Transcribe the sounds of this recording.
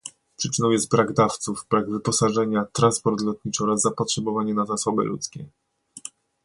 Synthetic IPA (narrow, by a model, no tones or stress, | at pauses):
pʂɘt͡ʂɘnɔ̃w̃jɛst̪bɾaɡd̪aft̪suvbɾaɡvɘpɔsaʐɛɲat̪ɾanspɔɾt̪lɔt̪̚ɲit͡ʂɘɔɾazːapɔtʂɛbɔvaɲɛnazasɔbɘ̰lṵt̪skʲɛ̰